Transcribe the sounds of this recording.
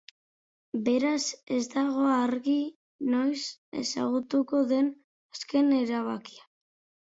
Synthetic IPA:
be̞ɾase̞zd̪aɣ̞o̞aɾɣi | no̞jse̞̰sa̰ɣ̞ut̪uko̞ðe̞n | aske̞ne̞ɾaβ̞aki̥a

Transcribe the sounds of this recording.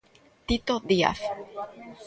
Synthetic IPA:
t̪it̪od̪ia̰f

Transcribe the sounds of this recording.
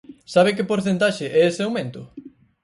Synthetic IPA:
saβɪk̬ɪpoɾθent̪aʃɪʔɛesɪawmẽnt̪ʊ

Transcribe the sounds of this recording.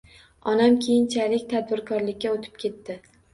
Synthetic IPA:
ɒnamkʲʰe̞jɪnt͡ʃʰalɪkʲt̪ʰad̪̚bɪɾkʰɒɾlɪkʲːaot̪ʰɪ̥p̚kʲʰe̞t̪ːɪ

